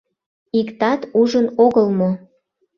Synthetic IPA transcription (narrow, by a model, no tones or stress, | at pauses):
ikt̪ɑt̪uʒənoɣəlmo